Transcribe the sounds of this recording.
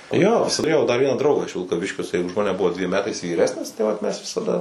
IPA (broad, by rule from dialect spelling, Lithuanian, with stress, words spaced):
joː tʊˈrʲeːjɛʊ dɐr ˈʋʲiɛnɑː ˈdrɐʊɡɑː ɪʃ ʋʲɪlˠkɐˈʋʲɪʃʲkʲoː jɪˈsɐɪ ʊʃ ˈmɑːnʲɛˈbʊʋoː dʲʋʲiɛm ˈmʲæːtɐɪs ʋʲiːˈrʲæːsʲnʲɪs tɐɪ ˈʋɐt ˈmʲɛs ʋʲɪsɐˈdɐ